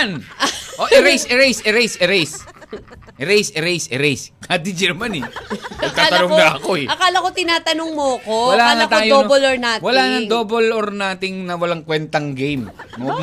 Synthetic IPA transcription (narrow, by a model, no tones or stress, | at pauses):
nʔoʔɪɾejsɛɾɛjsɛɾejsʔɛɾɛjs | ʔɛɾejsɛɾejsɛɾejskaːd̪ɪd͡ʒɛɾmanɛɐɡ̚t̪aːt̪ɐnoŋnɐɐkoɛʔɐkaːlɐkot̪ɪnaːt̪ɐnoŋmoɐkowɐlaːŋat̪aːjooboloɹnaːtwɐlaːnɐŋd̪oːboloɾnaːt̪ɪŋnɐwɐlaŋkwɛnt̪ɐŋɡejmmɐɡ̚